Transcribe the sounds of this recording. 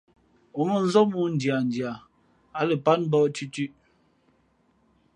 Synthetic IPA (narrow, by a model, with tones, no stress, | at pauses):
ɔ˨mə˨n̩˦zɔ˦mu˦˨n̩˨dja˨n˨dja˨ | a˦lə˨pa˦nm˦bɔ˦˨tʉ˦tʉ˦ʔ